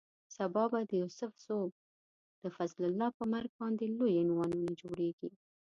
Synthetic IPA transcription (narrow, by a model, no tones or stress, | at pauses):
sabɑbad̪əjusʊfz̥ob̚ | d̪̥əfazlʊlːɑpəmaɾɡ̚bɑnd̪elojɪnwɑnunad͡ʒoɽeɡi